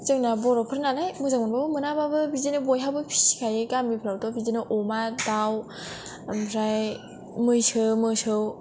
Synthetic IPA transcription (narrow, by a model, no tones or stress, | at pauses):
t͡ʃɯŋnabɔɾɔpʰɯɾnanajmɯzaŋmɯnbɔmɯnababɯbizenɯbɔjɦawbɯpʰi̥si̥kʰajɯkamipʰɾawtɔbizenɯʔɔmadaw | mpʰɾaj | mɯjsʰɯmɯsɯw